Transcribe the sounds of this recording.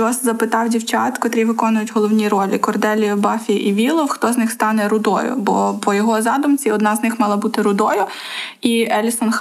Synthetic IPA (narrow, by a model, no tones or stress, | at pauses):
ɔszɐpɪt̪ɑwdʲiwt͡ʃɑ̰t̪kɔt̪ɾʲiʋɪkɔnʊjʊtʲɦɔlˠɔwnʲiɾɔlʲikɔrd̪ɛlʲijɔbɑfʲiʔiʋʲilˠɔwxt̪ɔznɪxst̪ɑnɛɾʊd̪ɔ̰jʊ̰bɔpɔjɔɦɔzɑd̪ʊmt͡sʲiɔd̪nɑznɪxmɑlˠɐbut̪ɪɾʊd̪ɔjʊ | iɛlʲisɔnx